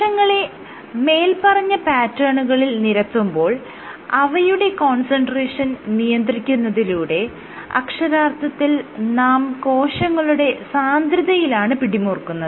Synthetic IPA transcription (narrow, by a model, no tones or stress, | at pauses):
ɐŋːɐɭe̞ | me̞ːlpɐrɐɲːɐpaːtːɐːɳuɣɐɭilniɾɐt̪ːumbo̞ːɭ | ɐʋɐjuɽe̞ko̞ːɳsɐɳɖreːʂɐnnijɐnd̪rikʲːunːɐðiluːɽe̞ | ɐ̰kʂɐɾaːrt̪ːɐt̪ːilnaːmko̞ːɕɐŋːɐɭuɽe̞saːnd̪ɾiðɐjilaːɳɨpiɽimuːrkːunːɐðɨ